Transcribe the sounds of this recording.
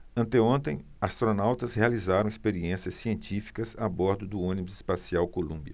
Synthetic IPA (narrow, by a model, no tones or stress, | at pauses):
ɐ̃nt̪eõnt̪ẽj̃ | ast̪ɾonawt̪ɐshealizaɾɐ̃w̃ɪspeɾiẽsiɐsːiẽnt͡ʃifi̥kɐzabɔɾd̪ʊd̪ʊõnibʊzɪspasiawkolũbiɐ